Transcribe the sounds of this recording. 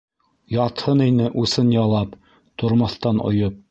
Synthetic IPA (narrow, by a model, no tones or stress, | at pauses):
jɑt̪hɤninɘʔʉsɘnjɑlˠɑp | t̪ŏɾmɑ̆θt̪ɑnŏ̰jop̚